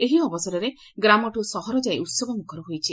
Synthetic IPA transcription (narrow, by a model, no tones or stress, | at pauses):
eɦiɔbɔsɔɾɔɾe | ɡɾamɔʈusɔɦɔɾɔd͡ʒajut̪sɔɡɔmukʰɔɾɔɦojt͡ʃʰi